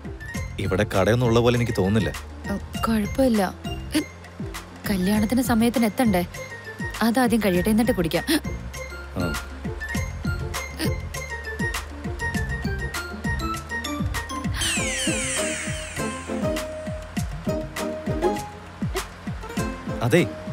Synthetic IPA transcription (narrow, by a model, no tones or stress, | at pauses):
iʋiɽe̞kɐɽɐjunːuɭːɐpo̞ːlenikʲːɨt̪o̞ːnːilːɐ̰ | kɐɻpːɐilːɐ | kɐljaːɳɐt̪ːinesɐmɐjɐt̪ːine̞t̪ːɐɳɖɨ | ɐðaːd̪jɐmkɐɻijiʈːenːiʈːɨkuɽikʲːaːm | a̰ː | ɐðe